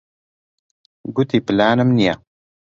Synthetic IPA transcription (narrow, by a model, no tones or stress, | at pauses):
ɡut̪iːpɪlaːnɨmnija